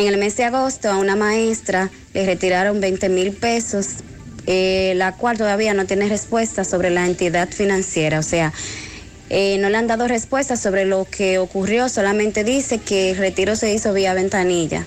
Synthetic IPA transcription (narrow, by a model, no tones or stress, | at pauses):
eŋe̞lme̞sd̪eaɣo̞st̪o̞aunamae̞st̪ɾa | le̞re̞t̪iɾaɾo̞mbe̞jnt̪e̞milpe̞so̞s | elakwalt̪oðaβiano̞t̪jenere̞spwe̞st̪aso̞βɾe̞laent̪iðat̪finãnsje̞ɾaose̞a | eno̞leand̪aðo̞re̞spwe̞st̪aso̞βɾelo̞kʰe̞okurjo̞so̞lamẽ̞nt̪e̞ðise̞ke̞lre̞t̪iɾo̞se̞iso̞βiaβe̞nt̪aniʝa̰